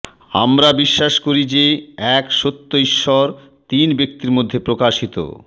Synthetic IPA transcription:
a̰mɾabiʃːaʃkoɾid͡ʑeɛkʃot̪ːoiʃːɔɾ | t̪inbek̚t̪iɾmod̪ʱːepɾokaʃit̪o̰

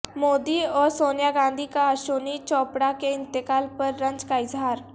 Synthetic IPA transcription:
moːd̪iɔːɾsoːnjaɡãːnd̪ʱikaɐʃoːnit͡ʃɔːpɽakeɪ̃nt̪ɪkaːlpɐɾːɐ̃ɲd͡ʒkaɪzɦaːɾ

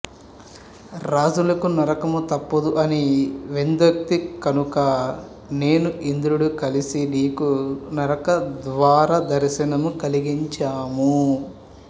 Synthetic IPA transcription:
ɾaːd͡ʒulɐkunɐɾɐkɐmut̪ɐpːɐd̪uʔɐniʋend̪ɐk̚t̪ikɐnukɐ | ne̞ːnuʔind̪ɾuɽukɐlisiniːkunɐɾɐkɐd̪ʋaːɾɐd̪ɐɾɐsinɐmukɐliɡiɲt͡ʃaːmu

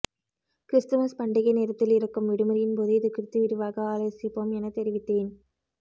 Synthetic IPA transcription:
kɾɪst̪ɐmɐspɐɳɖɪɣɐneːɾɐt̪ːɪlɪɾɐkːɯmʋɪɽɯmɐɾɪjɪnpoːðɯɪðɯkɪɾt̪ːɯʋɪɾɯʋaːɣɐaːlɐsɪpːoːmɛnɐt̪ɛɾɪʋɪt̪ːeːn

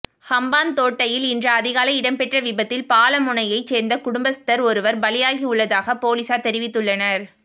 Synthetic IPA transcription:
hɐmbaːnt̪oːʈːɐjɪlɪndrɐɐðɪɣaːlɐɪɪɽɐmpɛʈrɐʋɪbɐt̪ːɪlpaːlɐmʊnɐjɐɪt͡ʃːeːɾnd̪ɐkʊɽʊmbɐsɪ̥t̪ːɐɾɔɾɯʋɐɾbɐlɪjaːɣiʊɭːɐðaːɣɐpoːlisaːɾt̪ɛɾɪʋɪt̪ːɯɭːɐnɐɾ

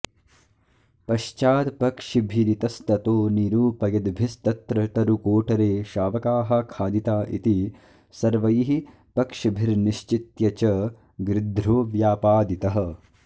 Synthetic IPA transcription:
pɐʃt͡ʃaːt̪pɐkʂibʱiɾit̪ɐst̪ɐt̪oːniɾuːpɐjɐd̪bʱist̪ɐt̪ɾɐʈ̪ɐɾukoːʈɐɾeːʃaːʋɐkaːɦɐ̆kʰaːd̪it̪aːʔḭt̪i | sɐɾʋɐjiɦi | pɐkʂibʱiɾniʃt͡ʃit̪jɐt͡ʃɐ | ɡɾɪd̪ʱɾoːʋjaːpaːd̪it̪ɐɦɐ̆

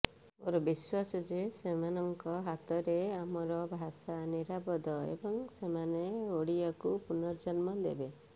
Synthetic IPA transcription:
oɾɔbiswasɔd͡ʒesemanɔŋkɔɦat̪ɔɾeamɔɾɔbʱasaniɾabɔd̪ɔḛbɔŋsemaneoɽiakupunɔɾd͡ʒɔnmɔd̪ebe

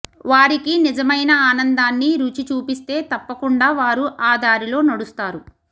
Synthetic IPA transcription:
ʋaːɾikinid͡ʒɐmɐjnɐaːnɐnd̪aːnːiɾuːt͡ʃit͡ʃuːpist̪e̞ːt̪ɐpːɐkuɳɖaːʋaːɾuʔaːd̪aːɾilo̞ːnɐɽust̪aːɾu

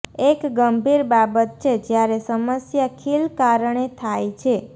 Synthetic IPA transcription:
ekɡəmbʱiɾbabət̪̚t͡ʃʰed͡ʒjaɾesəməsjakʰilkaɾɳ̃et̪ʰajt͡ʃʰe

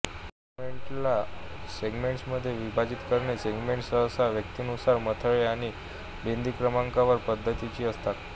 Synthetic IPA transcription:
seɡmeɳʈlaseɡmeɳʈsməd̪ʱːjeʋibʱad͡ʑit̪kəɾɳeseɡmeɳʈsəsaʋjək̚t̪iːnusaɾmət̪ʰəɭeaɽ̃i | bend̪ʱiːkɾəmãŋkaʋəɾpəd̪ʱːət̪it͡ɕiːəst̪at̪

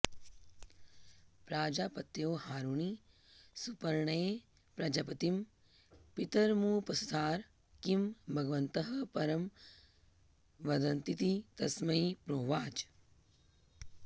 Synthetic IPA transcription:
pɾaːd͡ʒaːpɐt̪joːhaːɾuɳi | supɐɾɳɐjeː | pɾɐd͡ʒɐpɐt̪im | pit̪ɐɾmuːpɐsu̥t̪aːɾ | kimbʱɐɡɐʋɐnt̪ɐɦɐ̆pɐɾɐm | ʋɐd̪ɐnt̪it̪it̪ɐsmɐipɾoːʋaːt͡ʃ

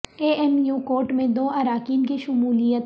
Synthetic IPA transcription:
eːɛmjuːkoːɾʈmẽd̪oːɐɾaːkiːnkiʃʊmuːlijət̪

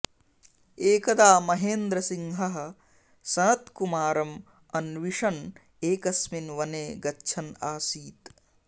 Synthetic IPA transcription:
eːkɐd̪aːmɐɦeːnd̪ɾɐsiŋɦɐɦɐ̆ | sɐnɐt̪kumaːɾɐm | ɐnʋiʂɐn | eːkɐsminʋɐneːɡɐːt͡ʃʰɐnaːsiːt̪

